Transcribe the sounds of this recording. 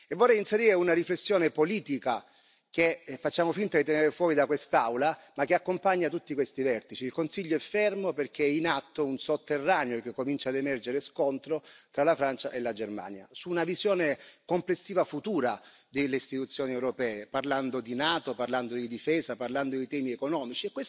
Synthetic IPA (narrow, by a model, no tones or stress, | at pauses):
evːorːɛjinseɾiːɾeunariflesːjoːnepoliːt̪ika | k̟efːat͡ʃːaːmofint̪ad̪it̪eneːɾefwɔːɾid̪akwest̪awla | mak̟ːeakːompaɲːat̪ut̪ːikwest̪ivɛrt̪it͡ʃiːlkonsiʎːoɛfːɛrmoperk̟eɛinat̪ːounsot̪ːerːaːneok̟ekːomint͡ʃad̪emɛrd͡ʒeɾeskont̪ɾot̪ɾalafɾant͡ʃaʔelːad͡ʒerma̰ːnja̰suːnavizjoːnekomplesːiːvafut̪uːɾa | d̪elːeist̪it̪ut̪sːjoːniɛwɾopɛːeparland̪od̪inaːt̪oparland̪od̪id̪ifɛːzaparland̪od̪it̪ɛːmiekonɔːmit͡ʃiekːwes